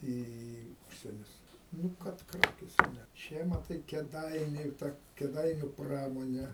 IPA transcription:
ˈiː iː ˈʊʃʲsʲiɛnʲʊs ˈnʊ ˈkɐt ˈkrɑːkʲeːsʲɛ ˈnʲɛ ˈt͡ʃʲɛ mɐˈtɐɪ kʲeːˈdɐɪnʲʊ tɐ kʲeːˈdɐɪnʲʊ ˈprɑːmoːnʲɛ

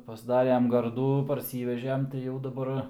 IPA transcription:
pɐzˈdɑːrʲɛm ˈɡɐrduː pɐrʲˈsʲiːʋʲɛʒʲɛm tɐɪ jɛʊ dɐˈbɐr

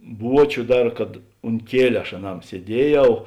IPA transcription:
ˈbuɔt͡ʃʲʊ ˈdɐr kɐt ʊnt ˈkʲiɛlʲʊ ɐʃ ɐˈnɐm sʲiɛˈdʲiɛˌjɛʊ

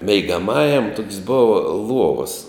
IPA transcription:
mʲɛɪɡɐˈmɑːjɛm toːkʲsʲ ˈboːʋɐ ˈlˠuɔʋɐs

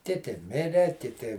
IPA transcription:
ˈkʲɪtʲɪ ˈmʲɪrʲɛ kʲɪˈtʲɪ

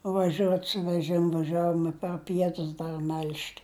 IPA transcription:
ʋɐˈʒʲuɔt sʊ ʋʲɛˈʒʲɪmʊ ʋɐˈʒʲæːʋoːm ɪ pɐr ˈpʲiɛtʊs ˈdɐr mʲɛlʲʃʲt

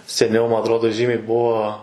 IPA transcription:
sʲɛˈnʲɛʊ ˈmɐ ɐtˈroːdoː ˈʒʲiːmʲɛɪ ˈbuɔ

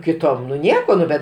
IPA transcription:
kʲɪˈtoːm nʊ ˈnʲiɛkoː ˈnʊ bʲɛt

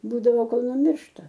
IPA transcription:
ˈbuːdɐʋoː ˈkoːlˠ nʊˈmʲɪrʃtɐ

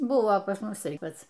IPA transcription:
ˈbʊʋoː pɐs ˈmʊs ˈtɐɪ ˈpɐt͡s

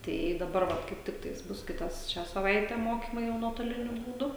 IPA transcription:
ˈtɐɪ ɪ dɐˈbɐr ˈʋɐ kɐɪp ˈtʲɪktɐɪs ˈbʊs ˈkʲɪtɐs ˈʃʲæː sɐˈʋɐɪtʲɛ ˈmoːkʲiːmɐɪ jɛʊ nuɔtoːˈlʲɪnʲʊ buːˈdʊ

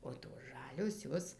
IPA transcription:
oː toːs ˈʒɑːlʲoːs ˈjoːs

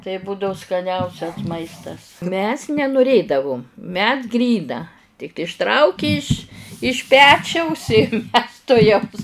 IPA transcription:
tɐɪ ˈbuːdɐʊ skɐˈnʲɛʊsʲɛs ˈmɐɪstɐs mʲɛs nʲɛnʊˈrʲeːdɐʋʊm mʲɛs ˈɡrʲiːnɐ tʲɪk ɪʃˈtrɐʊkʲɪ ɪʃ ɪʃ ˈpʲæːt͡ʃʲɛʊs ɪ mʲɛs tʊˈjɛʊs

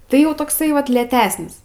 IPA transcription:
ˈtɐɪ jɛʊ toːkˈsɐɪ ˈʋɐt lʲeːtʲɛsʲnʲɪs

